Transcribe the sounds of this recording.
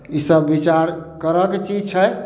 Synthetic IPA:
isəbːit͡ʃaɾkəɾəket͡ʃid͡ʒt͡ʃʰəj

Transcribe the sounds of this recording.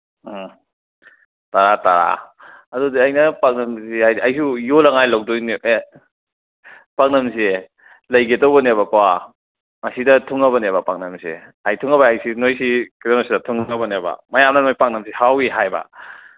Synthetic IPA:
taɾataɾa̰ɐdudiɐjnɐpak̚nɐmsihajdɐjsujolɐŋajlaw̚dunie | paŋ̚nɐms̬e | lɐjɡetowbɐneβɐkwa | mɐsidɐtʰuŋɐβɐneβɐpaŋ̚nɐmsḛajtʰuŋɐbɐajsinojsikidɔnosidɐtʰuŋɐbɐnebɐ̰mɐjamnɐnojpak̚nɐmsihawiɦajbɐ̰

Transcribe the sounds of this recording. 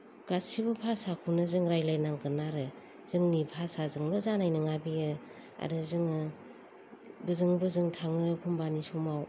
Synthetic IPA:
ɡ̥asibɯpʰasakʰunɯzɯŋɾajlajnaŋɡɯnaɾɯ | z̥ɯŋnipʰasazɯŋlɔzanajnɯŋabiɯ | a̰ɾɯzɯŋɯ | bɯzɯŋbɯzɯŋtʰaŋɯpʰumbanisumaw

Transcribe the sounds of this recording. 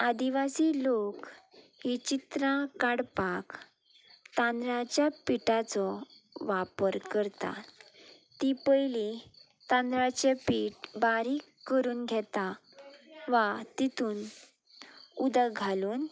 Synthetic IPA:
ad̪iʋasiːlok | hit͡ɕit̪ɾãkaɽpak | t̪ãnd̪ɾãt͡ɕjapiʈat͡sɔ | ʋapəɾkəɾt̪a̰ | t̪ipəjli | t̪ãnd̪ɾat͡ɕepiːʈbaɾiːkkːəɾuːnɡʱɛt̪a | ʋat̪it̪ʰuːn | ud̪əɡʱaluːn

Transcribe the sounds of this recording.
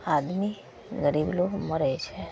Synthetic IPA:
ad̪mi | ɡəɾibloməɾet͡ʃʰe

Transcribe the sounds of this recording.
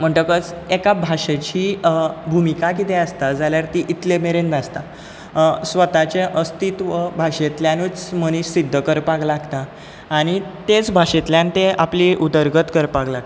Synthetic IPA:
m̤əɳʈəkət͡sekabʱaʂet͡ɕiːbʱumikakit̪ẽast̪ad͡zaljaɾt̪iʔit̪lemeɾenb̪ʱast̪a | sʋət̪at͡ɕeʔəst̪it̪ʋəbʱaʂet̪ljãnut͡sməñiɕsid̪ʱːəkəɾpaɡlaɡt̪aː | ɽ̃it̪et͡sbʱaʂet̪ljãnt̪eapliud̪əɾɡət̪kəɾpaɡla

